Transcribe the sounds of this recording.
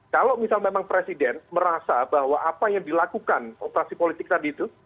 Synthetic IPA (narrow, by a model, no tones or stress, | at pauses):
kalomisalmemaŋpɾesidɛnməɾasabahwaʔapajaŋdilakukanopəɾasipolit̪ɪk̚t̪adiːt̪u